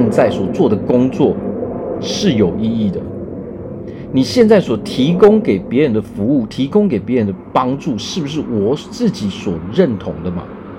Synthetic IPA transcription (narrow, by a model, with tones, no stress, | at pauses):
nt͡sa˥˩ɪswɔ˨˩t͡swɔ˥˨d̪ə˩kʊ˥ŋt͡swɔ̰˥˨ | ʂɻ̩˥˩jo˨˩ʊi˥˧i˥˩d̪ə˩ | ni˨˩ɕjɛ˥˧nt͡sa˥˩ɪswɔ˨˩t̪ʰi˧˥kʊ˥ŋke˨˩ɪpjɛ˧˦˥ɻə˧˦nd̪ə˧fu˧˥u˥˩t̪ʰi˧˥kʊ˥ŋke˨˩ɪpjɛ˧˦ɻə˧˦nd̪ə˧pɑ˥ŋʈ͡ʂu˥˨ʂɻ̩˥˩bu˩ʂ̬ɻ̩˥˩wɔ˨˩t͡sɹ̩˥˨t͡ɕi˨˥swɔ˨˩ɻə˥˨nt̪ʰʊ˧˥ŋd̪ə˨mɐ̰˨